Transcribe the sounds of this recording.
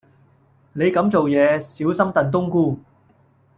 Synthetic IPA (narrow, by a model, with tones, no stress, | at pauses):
ne˨˧jkɐ˨˥mt͡so˨wjɛː˨˧siː˨˥wsɐ˥mt̪ɐ˨nt̪̬ʊ˥ŋkuː˥